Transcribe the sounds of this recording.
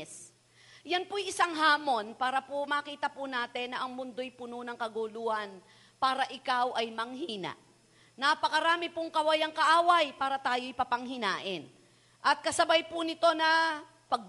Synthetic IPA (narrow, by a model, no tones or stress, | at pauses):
s | jɐnpojɪsaŋɦaːmo̞npaːɾɐpomɐkiːt̪ɐpʊnaːt̪ɛnːɐʔɐŋmʊnd̪o̞jpʊnonɐŋkɐɡʊluhɐn | paːɾɐʔɪkawʔɐjmɐŋɦiːna̰ʔ | nɐpɐkɐɾaːmɪpʊŋkɐwɐjɐŋkɐʔaːwɐjpaːɾɐt̪aːjo̞ʔɪpɐpɐŋɦɪnaːʔɪn | ʔɐt̪̚kɐsɐbajpʊnɪt̪o̞nɐ | pɐɡ̚